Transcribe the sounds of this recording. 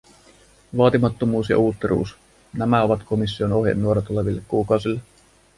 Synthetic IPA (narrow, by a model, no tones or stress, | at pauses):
ʋɑːt̪imɑt̪ːomuːsjɑ̰uːt̪ːeɾʔṵːs | næmæo̞ʋɑt̪ko̞misːio̞no̞ɦjɑ̰nːuo̞ɾɑt̪ole̞ʋilːekkuːkɑwsilːe